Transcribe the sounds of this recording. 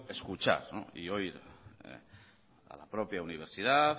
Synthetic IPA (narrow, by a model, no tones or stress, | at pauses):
eskut͡ʃa̰ɾno̰ioiɾ | a̰lapɾɔpjauniβ̞eɾsit̪at̪